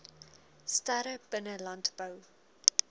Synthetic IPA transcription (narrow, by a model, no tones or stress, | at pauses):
stæɾəb̥ənəlɐntb̥ɐw